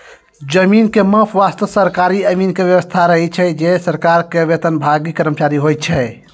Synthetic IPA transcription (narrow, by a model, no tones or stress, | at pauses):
d͡ʒəminkemə̃pʰʋast̪əsəɾkaɾiəmiːnkeʋjəʋəst̪ʰaɾəɦɛt͡ʃʰɛd͡ʒesəɾkaɾkeʋet̪ənbʱaɡikəɾmət͡ʃaɾiɦojt̪̚t͡ʃʰɛ